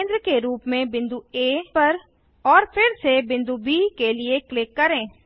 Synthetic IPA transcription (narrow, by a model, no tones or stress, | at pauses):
nd̪ɾəkeɾuːpmẽbɪ̃nd̪ueːpɐɾ | ɔːɾpʰɪɾsebɪ̃nd̪ubiːkelieklɪkːɐɾẽː